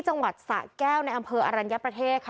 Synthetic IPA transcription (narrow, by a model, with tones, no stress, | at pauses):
t͡ɕa˧ŋwa˨˩t̪̚sa̰˨˩kɛː˥˩wna˧jʔa˧mpʰɤː˧ʔaː˧ɾa˧nja˦˥pɾa˧t̪ʰeː˥˩t̪̚kʰ